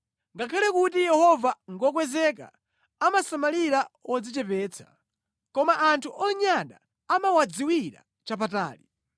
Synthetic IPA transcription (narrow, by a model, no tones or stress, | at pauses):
ŋɡakʰalɛkut̬ijɛhɔvaŋɡɔk̬wɛzɛk̬a̰ | amasamaliɾawɔd͡zit͡ʃɛpɛːt͡sʰḁ | kɔmaʔːntʰuʔɔɲaɗa̰ː | mawad͡ziwiɾa̰ | t͡ʃap̬ata̰ːli